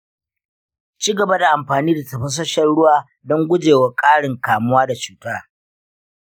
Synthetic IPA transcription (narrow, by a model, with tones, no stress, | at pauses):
t͡ʃiː˦ɡɐ˨ba˦da˨ʔa˨mɸaː˨niː˦da˨tɐ˨ɸɐ˦s̬ɐ˦ʃɐ˦nɽʊ˦waː˦ | dɔ˦ŋɡʷʊ˦d͡ʒeː˨wa˨˦kʼaː˦ɽɪ˨ŋkaː˨mʊ˦waː˦da˨t͡ʃuː˨taː˦